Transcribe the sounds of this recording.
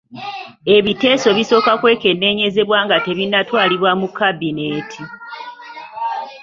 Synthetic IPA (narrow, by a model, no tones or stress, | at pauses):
e̞βite̞ːso̞βiso̞ːkakwe̞ːke̞nːe̞ːɲe̞ze̞βwaːŋɡate̞βinːatwaːliβwamukːabine̞ːtʰi